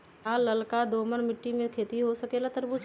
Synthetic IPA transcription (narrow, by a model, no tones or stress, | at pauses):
aːlɐlkad̪oːmənmɪʈːimẽkʰeːt̪iɦosɐkelat̪əɾbut͡ʃ